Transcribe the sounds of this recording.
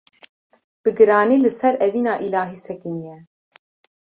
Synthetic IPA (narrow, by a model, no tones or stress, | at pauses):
b̥ɨɡɨɾɑːniːlɨsɛɾɛviːnaːʔilaːɦiːsɛkɨnijɛ